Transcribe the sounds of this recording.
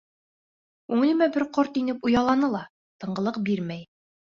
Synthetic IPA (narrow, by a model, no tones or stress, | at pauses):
ʉŋɘ̆lɘ̆mæbɘɾqoɾt̪inɘpujɑlˠɑnɤlˠɑ | t̪ɤ̆ɴɢɤ̆lˠɤq̚biɾmæj